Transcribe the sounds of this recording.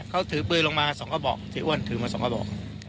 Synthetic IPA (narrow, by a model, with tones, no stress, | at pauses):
kʰa˥˩wt̪ʰɯː˨˦pɯ˧˩jlo˧ŋmaː˧sɔː˨˩˦ŋkʰa˧˩bɔ̰ː˨˩k̚t̪ʰiː˨˩˦ʔu˥˩ənt̪ʰɯː˨˦maː˧sɔː˩˦ŋka˧˩bɔ̰ː˨˩k̚